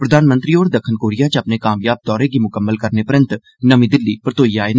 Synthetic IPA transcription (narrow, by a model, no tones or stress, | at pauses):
pɾəd̪aːnmənt̪ɾiːoːɾd̪əkʰːənkoːɾijaːt͡ʃəpneːkaːmjaːb̚t̪ɔːɾeːɡiːmʊkəmːəlkəɾneːpəɾə̃nt̪ | nəʋĩːd̪ɪlːiːpəɾət̪oːiːaːeːn